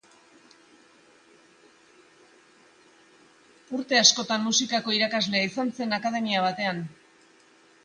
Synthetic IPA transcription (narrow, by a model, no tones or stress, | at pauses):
uɾt̪e̞asko̞t̪anmusikako̞iɾakazle̞aisanse̞nakað̞e̞miaβ̞at̪e̞an